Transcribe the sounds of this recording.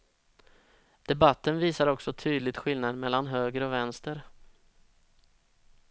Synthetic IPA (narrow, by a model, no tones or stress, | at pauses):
d̪̥ɛbat̪ːənviːsaɾɔksɔt̪ʰyːd̪lɪɡ̚t̪ɧɪlnad̪mɛlːanɦøːɡəɾɔvɛnst̪əɾ